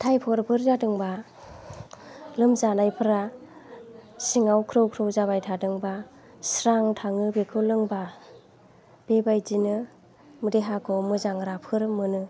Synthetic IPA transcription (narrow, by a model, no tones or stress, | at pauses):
tʰajpʰɔɾpʰɯɾzadɯŋba | lɯmzanajpʰɯɾa | siŋawkʰɾɯwkʰɾɯwzaβajtʰadɯŋba | sɾaŋtʰaŋɯbekʰɯwlɯŋba | b̥ebajd͡ʒinɯ | mɯdeɦakʰɔmɯzaŋɾapʰɯɾmɯnɯ